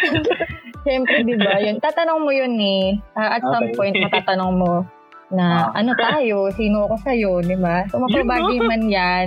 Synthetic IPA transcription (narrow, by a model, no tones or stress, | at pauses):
ʃɛmpɾɛd̪ɪbajont̪aːt̪ɐnoŋmojonɛʔaːʔɐt̪sɐmpo̞jnt̪̚mɐt̪aːt̪ɐnoŋmo̞ | nɐʔɐno̞t̪aːjo̞siːnoɐko̞sɐjo̞d̪ɪbasomɐpabaːɡɪmanjan